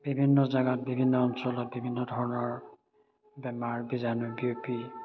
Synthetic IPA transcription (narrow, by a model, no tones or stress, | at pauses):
b̥ibʱinːɔzaɡat̚bibʱinːɔɔnsɔlɔt̚bibʱinːɔdʱɔɹɔnɔɹ | bɛmaɹbizanubiopi